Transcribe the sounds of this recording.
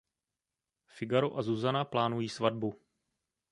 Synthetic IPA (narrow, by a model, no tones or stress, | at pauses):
fɪɡaɾoʔazuzanaplaːnujiːsvad̚bu